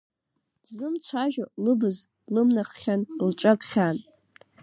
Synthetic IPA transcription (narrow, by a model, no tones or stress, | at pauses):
d̥zɨmt͡sʷʰaʒᶣolɨbɨz | lɨmnaχʲanlʈ͡ʂʷʼakʷʼχʲan